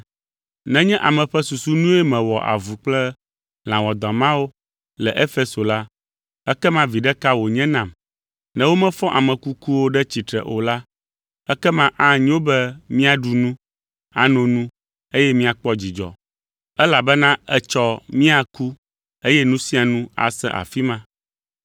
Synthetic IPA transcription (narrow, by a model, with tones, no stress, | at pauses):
nɛ̃˦ɲɛ̃˦ʔa˨mɛ̃˨ɸɛ˦su˨su˦nũ˦ɛ˦mɛ̃˨wɔ˨ʔa̰˨vu˨k͡plɛ˦ | l̃ã˨wɔ˨d̪ɔ̃˨mã˦wo˦ | lɛ̰˨ʔe˦fe˦so˨la˦ | ɛ˦kɛ˦mã˦vi˨ɖɛ˦ka˦wo˨ɲɛ̃˦nã˨m | nɛ̃˦wo˦mɛ̃˦fɔ̃˦ʔa˨mɛ̃˨ku˦ku˦wo˦ɖɛ˦t͡ɕi˨t̪ɾɛ˨ʔo˨la˦ | ɛ˦kɛ˦mã˦ʔa˦ɲ˦o˦bɛ˦mĩ˦a˨ɖu˨nũ˦ | a˨nɔ̃˨nũ˦ | e˦jɛ˦mĩ˦a˨k͡pɔ˦d͡ʑi˨d͡ʒɔ̰˨ | ɛ˦la˨bɛ˦nã˦ɛ˦t͡ʃɔ˦mĩ˦a˨ku˦ | e˦jɛ˦nũ˦si˦a˨nũ˦a̰˨sɛ̰̃˦ʔa̰˨fi˦mã˦